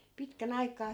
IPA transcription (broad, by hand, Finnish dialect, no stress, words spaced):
pitkæn ɑikˑɑː